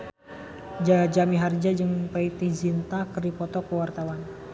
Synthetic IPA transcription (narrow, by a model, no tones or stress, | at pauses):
d͡ʒad͡ʒamiɦard͡ʒad͡ʒɨŋpait̪id͡ʒint̪akərdipɔt̪ɔkəwart̪awan